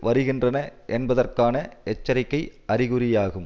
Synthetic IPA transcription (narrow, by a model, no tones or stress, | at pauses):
ʋɐɾɯɣɪndrɐnɐʔɛnbɐðɐrkaːnɐʔɛt͡ʃːɐɾɪkːɐɪɐrɪɣɯɾɪjaːɣɯm